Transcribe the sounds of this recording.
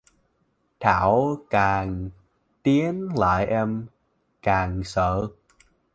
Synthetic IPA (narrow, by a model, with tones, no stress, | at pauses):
t̪ʰaː˧˩wkaː˨˩ŋ | t̪i˨˦ənla̰ː˧˨jʔɛ˧m | kaː˨˩ŋsəː˧˩